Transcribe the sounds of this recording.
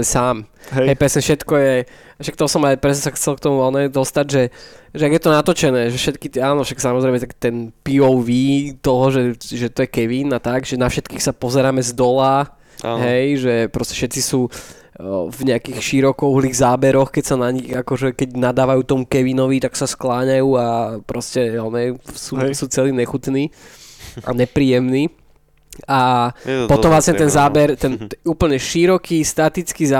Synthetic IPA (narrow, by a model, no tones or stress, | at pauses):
ɛsaːmɦɛɦɛjpɾɛsɲɛfʃɛt̪kɔjɛ | ʃak̚t̪ɔsɔmajpɾɛsɲɛsaxt͡sɛlkt̪ɔmuɔnɛd̪ɔst̪aɟʒɛʒɛaɡjɛt̪ɔnat̪ɔt͡ʃɛnɛːʒɛfʃɛt̪kit̪ɛaːnɔfʃaksamɔzɾɛɪmɛt̪akt̪ɛnpiɔwʋiːt̪ɔɦɔʒɛʒɛt̪ɔjɛkɛʋiːnat̪aɡʒɛnafʃɛt̪kiːxsapɔzɛɾaːmɛzd̪ɔlaː | a̰ɦɛjʒɛpɾɔscɛ̥ʃɛt̪t͡sisuː | vɲɛakiːxʃiɾɔkɔuɦliːɣzaːbɛɾɔxkɛcsanaɲiɣakɔʒɛkɛɟnad̪aːʋajuːt̪ɔmukɛʋinɔʋit̪aksasklaːɲajuːapɾɔscɛjalnɛjsuːsuːt͡sɛliːɲɛxut̪niː | ʔa̰ɲɛpɾiːjɛmniː | apɔt̪ɔmʋlasɲɛt̪ɛnzaːbɛɾt̪ɛnuːpl̩ɲɛʃiɾɔkist̪at̪it͡skizaː